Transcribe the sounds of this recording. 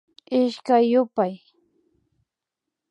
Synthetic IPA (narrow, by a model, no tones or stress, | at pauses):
ɪʃkajːʊpaj